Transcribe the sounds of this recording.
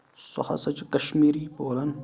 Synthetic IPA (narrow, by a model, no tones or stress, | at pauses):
so̰hɐ̰sɐt͡ʃikɐʃmiːɾiːboːlɐn